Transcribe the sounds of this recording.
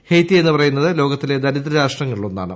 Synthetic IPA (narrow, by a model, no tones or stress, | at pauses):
hejt̪ːie̞nːɨpɐrɐjunːɐðɨlo̞ːɡɐt̪ːile̞d̪ɐɾiðrɐɾaːʂʈrɐŋːɐɭiɭonːa̰ːɳɨ